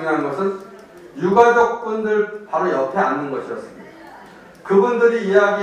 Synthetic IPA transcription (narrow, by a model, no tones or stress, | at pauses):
ŋɦannɡʌsʰɯn | juɡad͡ʑʌk̚p͈undɯɭpaɾojʌpʰe̞anːɯnɡʌɕʰiʌts͈ɯmɲida | kɯbundɯɾiːjaɡi